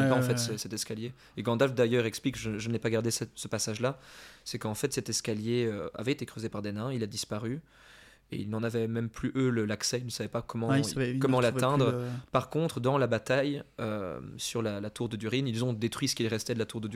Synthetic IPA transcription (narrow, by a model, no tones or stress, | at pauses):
ɛpaɑ̃fɛt̪səsɛt̪ɛskalje | eɡɑ̃d̪alfd̪ajœʁɛksplikʒəʒənɛpaɡaʁd̪esɛtsəpasaʒlasɛkɑ̃fɛt̪sɛt̪ɛskaljeøa̰vɛet̪ekχøzepaʁd̪ɛnɛ̃ilad̪ispaʁy | ḛilnɑ̃navɛmɛmplyʔøləlaksɛilnəsavɛpakɔmɑ̃ɛkɔmɑ̃lat̪ɛ̃d̪ʁpaʁkɔ̃t̪χd̪ɑ̃labat̪ajø̰syʁlalat̪uʁd̪əd̪yʁinilzɔ̃d̪et̪χɥisə̥kilʁɛst̪ɛd̪əlat̪uʁd̪əd̪